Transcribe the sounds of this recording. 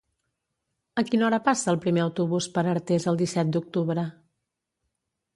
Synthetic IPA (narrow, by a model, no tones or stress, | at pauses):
əkinɔɾəpasəːlˠpɾimeəwt̪uβuspəɾəɾt̪ezəlˠd̪isɛt̪̚d̪uk̚t̪uβɾə